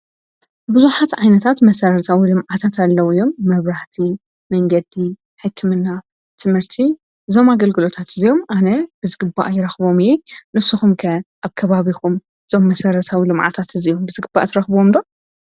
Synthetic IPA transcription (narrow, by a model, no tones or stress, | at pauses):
bɨzuħat̪ʕajnɐt̪ʰat̪mɐsɐɾɐt̪ʰawilɨmʕat̪ʰat̪alːɐwɨjo̞mːɐβɾaht̪ʰi | mɐŋɡɐd̪i | ħɨkʰːɨmɨnːa | t̪ʰɨmhɨɾt̪ʰi | ɨzo̞maɡɐlɡɨlo̞t̪ʰat̪ɨzijo̞mʔanɐb̥ɨzɨɡɨbːa̰ʔjɪɾɐxbo̞mjenɨsuxumkʰɐʔaβkʰɐβaβixum | ɨzo̞mːɐsɐɾɐt̪ʰawilɨmʕa̰t̪ʰat̪ɨzijo̞mbɨzɨɡɨbːa̰t̪ʰɐɾɐxbomd̪o̞